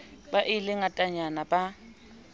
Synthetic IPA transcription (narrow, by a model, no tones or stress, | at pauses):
baʔɪlɪŋatʼaɲanabʼa